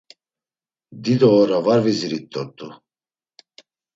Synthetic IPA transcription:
d̪id̪ɔːɾavaɾviziɾit̪ʼːɔɾt̪ʼːu

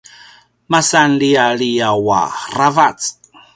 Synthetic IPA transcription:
masanlialijawa̰ravat͡s

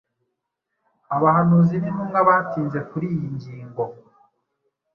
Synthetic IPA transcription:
aβahanuːzinimuŋɡaβatiːnze̞kuɾiːjiɲɟiːŋɡo̞

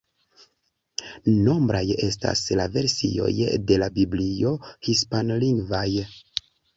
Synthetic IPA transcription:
no̞mbɾaje̞sta̰slave̞ɾsḭo̞̰jde̞labiblio̞hispanliŋɡvaj

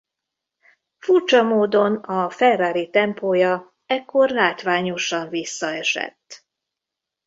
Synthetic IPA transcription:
furt͡ʃɒmoːd̪o̞nɒfɛraːɾit̪ɛmpoːjɒ | ɛkːo̞rlaːt̪ʋaːɲo̞ʃɒɱvisːɒɛʃɛ̰t̪ː

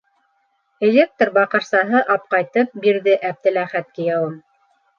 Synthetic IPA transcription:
elʲek̚t̪rbɑqɤ̆ɾsɑɦɤʔɑp̚qɑjt̪ɤp̚biɾðɘʔæp̚t̪ɘ̆læχæt̪̚kɘ̆jɑwɤm

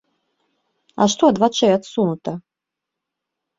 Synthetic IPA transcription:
a̰ʂt̪ɔɐd̪vat͡ʂɛjat̪sunut̪ɐ

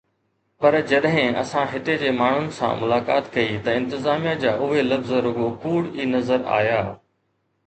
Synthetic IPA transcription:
pɐɾd͡ʑɐɗɦɪ̃ɐ̰sãɦɪt̪ed͡ʑeːmaːɳ̤ʊnɪ̆sã̰ːmʊlaːka̰ːt̪kɐit̪ɐɪ̃nt̪ɪzaːmijad͡ʑaːʔʊɦelɐfzɾʊɠokuːɽiːnɐzəɾa̰ːjaː

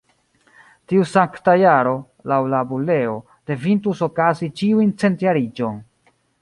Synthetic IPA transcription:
tiusaŋktajaɾo̞ | lawlabule̞o̞ | d̥e̞vintuso̞kazit͡ʃiujnt͡se̞ntjaɾid͡ʒo̞n

